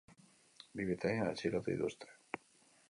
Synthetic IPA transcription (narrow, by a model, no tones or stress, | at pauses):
biβet̪aɲaḛsiɾot̪uḭt̪ust̪e̥